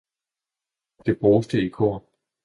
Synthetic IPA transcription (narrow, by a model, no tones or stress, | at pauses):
d̥e̝b̥ʁoːsd̥əikʰo̝̰ːɐ̰